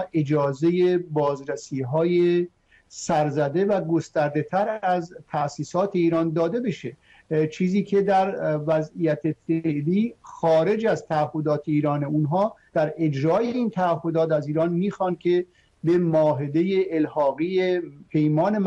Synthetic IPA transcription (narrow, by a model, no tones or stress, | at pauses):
ʔe̞d͡ʒɒːze̞jebɒːzɾæsiːɦɒːje | sæɾzæd̪e̞væɡo̞st̪æɾd̪e̞t̪ʰæɾæzt̪ʰæʔsiːsɒːt̪ʰe̞iːɾɒːnd̪ɒːd̪e̞be̞ʃe | t͡ʃʰiːziːkʰe̞d̪æɾvæzijæt̪ʰefeʔliːxɒːɾe̞d͡ʒæzt̪ʰæːhːo̞d̪ɒːt̪ʰeiːɾɒːneunɦɒːd̪̥æɾe̞d͡ʒɾɒːjeiːnt̪ʰæːɦːo̞d̪ɒːt̪æziːɾɒːnmiːxɒːnkʲʰe | be̞mɒːɦe̞d̪e̞jeʔːlhɒːɣiːepʰe̞jmɒːne̞m